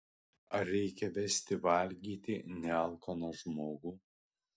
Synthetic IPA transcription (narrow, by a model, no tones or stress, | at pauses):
ɐɾʲɛɪkʲɛʋʲɛsʲt̪ʲɪʋɐˑlʲɡʲiːt̪ʲɪnʲɛɐlˠkonoʒmoːɡuː